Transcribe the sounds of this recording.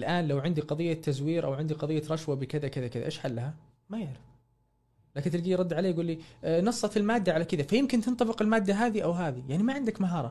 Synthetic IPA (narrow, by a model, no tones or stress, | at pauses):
ɪlʔaːnlawʕɪnd̪iqɑðˤɨjːat̪ʰːazwiːɾʔa̰wʕɪnd̪iqɑðˤijːaɾˤɑʃwabɪkɪðakɪðakɪða̰ʔeːʃħalːaɦa | majɪʕɾɪf | laːkɪnt̪ɪlɡiːɾˤɑd̪ːʕaleːjaɡuːlːinɑsˤːɑt̪ɪlmaːd̪ːaʕalakɪðafajɪmkɪnt̪ɪnt̪ˤɑbɪqɪlmaːd̪ːaɦaːðiʔawɦaːðijaʕnimaʕɪnd̪akmaɦɑːɾˤɑ